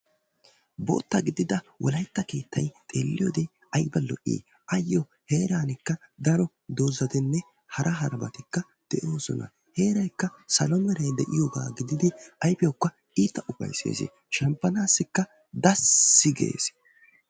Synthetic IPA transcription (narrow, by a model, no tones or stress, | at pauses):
bo̰ːt̪ːɐɡɪd̪ɪd̪ɐwʔɔlɐjt̪ːɐkeːt̪ːɐjt̪ʼe̞̰ːlːɪjoːd̪ej | ɐjbɐlɔ̰ʔḭː | ʔɐjːɔ | heːɾaːnɪkːɐd̪ɐɾɔ | d̪oːzɐt̪ɛnːɛ | hɐɾʔɐɦɐɾbɐ̰t̪ɪkːɐ | d̪̥ɛʔo̞ːsɔ̰nɐ̰ | he̞ːɾɐjkːɐsɐlɔmɛɾɛjd̪ɛʔɪjoɡa̰ːɡɪd̪ɪd̪ɪʔɐjpɪjɔkːɐ | iːt̪ːɐʔʊpːɐ̰jsḛːsḛ | ʃɐmpːɐnaːsːɪkːɐ | d̪ɐsːɪɡḛːs